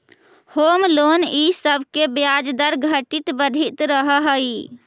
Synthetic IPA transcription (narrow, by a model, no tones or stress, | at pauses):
homlonisəbʱkebjad͡ʒd̪əɾɡʱəʈit̪bəd̪ʱit̪ɾəɦəɦə